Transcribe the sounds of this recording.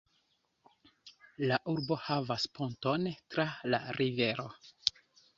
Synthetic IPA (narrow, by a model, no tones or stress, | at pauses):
laʔuɾbo̞havaspunto̞ntɾala̰ɾive̞ɾo̞̰